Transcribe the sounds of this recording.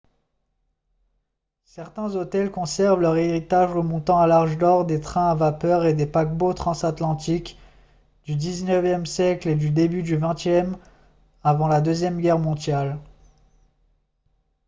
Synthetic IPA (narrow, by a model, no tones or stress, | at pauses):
sɛʁt̪ɛ̃zot̪ɛlkɔ̃sɛʁvlœʁeʁit̪aʒəmɔ̃t̪ɑ̃alaʁʒd̪ɔʁd̪et̪χɛ̃avapœʁed̪epak̚bot̪χɑ̃sat̪lɑ̃t̪ik | d̪̥yd̪iznəvjɛmsjɛkled̪yd̪ebyd̪yvɛ̃t̪jɛm | avɑ̃lad̪øzjɛmɡʲɛʁmɔ̃d̪jal